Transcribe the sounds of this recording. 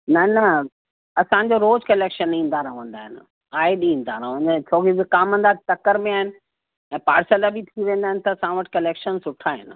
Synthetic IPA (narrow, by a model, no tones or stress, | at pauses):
nɐnɐ | ɐsãːɲ̆d͡ʑoɾoːd͡ʑkɐleːkʃənĩːn̆d̪aɾɐʋə̃nd̪aːɦɪnɪ̆ | aːɪɗĩːn̆d̪aɾəʋə̃nt͡ɕʰoːkibɪkaːmɦə̃n̆d̪at̪ɐkəɾmẽaːɦɪnɪ̆ | ɛ̃ːpaːɾsəlabʱit̪ʰiʋẽːnd̪aːɦɪ̃nɪ̆t̪ɐsãːʋəʈkɐleːkʃənsʊʈʰaːɦɪ̰nɪ̆